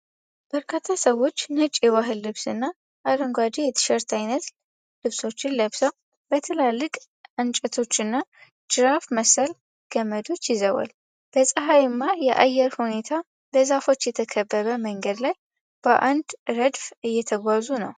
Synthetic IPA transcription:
b̥əɾkʰat̪ʰːasəwo̞t͡ʃːnɨt͡ʃʼːewaɦɨlːɨβsɨnːa | ʔaləŋɡʷad̪ijɛt̪ʰə̥ʃəɾt̪ʰajnət̪ | lɨβso̞t͡ʃːɪnləβsəw | bət̪ʰɨlalːɨkʼ | ʔɨnt͡ʃʼət̪ʰo̞t͡ʃːɨnːa | d͡ʒɨɾafməsəl | ɡ̥əmːəd̪o̞t͡ʃːjɪzəwa̰l | b̥əsʼəɦajɪmːajɛʔa̰jɛɾhune̞t̪ʰa | bəzafo̞t͡ʃːjɛt̪ʰəkʰəbːəβəməŋɡəd̪laj | b̥əʔand̪ɾəd̪fɨjːɛt̪ʰəɡʷazunə̰w

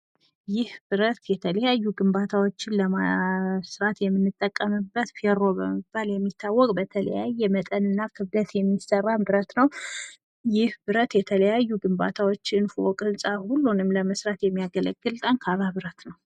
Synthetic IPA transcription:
jɪhbɨɾət̪jɛt̪ʰələjajːuɡɨmbat̪ʰawo̞t͡ʃːɪnləmasɾat̪jɛmːɨnːɨt̪ʼːəkʼːəmɨbət̪feɾo̞bəmɨb̥aljɛmːit̪ʰːawːɔkʼbət̪ʰələ̰jajːɛmət̪ʼənɨnːakʰɨβd̪ət̪jɛmːisərːambɨɾət̪nəw | jɪhbɨɾət̪jɛt̪ʰələjajːuɡɨmba̰t̪ʰawo̞t͡ʃːɨnfuwɔkʼɨnsʼahulːunɨmləməsɾat̪jɛmːijaɡələ̰ɡːɨlt̪ʼənkʰaβaβɨɾət̪nəw

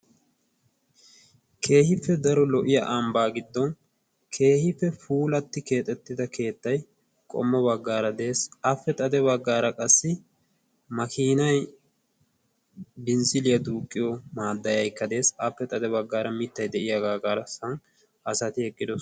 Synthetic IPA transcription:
kʰe̞ːhɪfːɛd̪ɐɾɔlɔʔɪjɐʔɐmbaːɡɪd̪ːɔn | kʰe̞ːhɪfːɛfuːlɐt̪ːɪke̞ːt̪ʼːɛt̪ːɪd̪ɐkʰe̞ːt̪ːɐj | kʼɔ̰mːɔbɐɡːaːɾɐd̪e̞ːsɐfːɛt̪ʼɐd̪ɛβɐɡːaːɾɐkʼɐsːɪ | mɐkiːnɐj | bɪnsɪlɪjɐd̪uːkʼːɪjɔmaːd̪ːɐjɐjkːɐd̪e̞ːsɐfːɛt̪ʼɐd̪ɛbɐɡːaːɾɐmɪt̪ːɐjd̪ɛʔɪjɐɡaɡaːɾɐsɐn | ɐsɐt̪ɪɛkʼːɪd̪ɔ

